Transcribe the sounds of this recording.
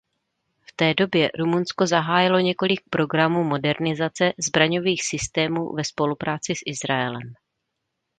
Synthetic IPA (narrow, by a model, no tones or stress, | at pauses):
ft̪ɛːdo̞bjɛɾumunsko̞zaɦaːjɪlo̞ɲɛko̞lɪk̚pɾo̞ɡɾamuːmo̞dɛɾnɪzat͡sɛzbɾaɲo̞viːxsɪst̪ɛːmṵːvɛspo̞lupɾaːt͡sɪsʔɪzɾaɛlɛ̰m